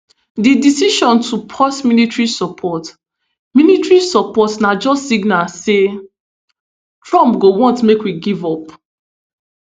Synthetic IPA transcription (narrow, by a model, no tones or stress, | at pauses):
didisiʃɔ̃ntʰupʰɔsminitɹisɔpʰɔt | minitɹisɔpɔtnad͡ʒɔstːiɡnase | tɹɔ̃mpɡowɔ̃ntmekwiɡivɔp